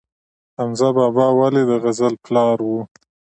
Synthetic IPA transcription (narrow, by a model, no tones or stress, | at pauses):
amzabɑbɑwaled̪əɣazəlplɑɾwu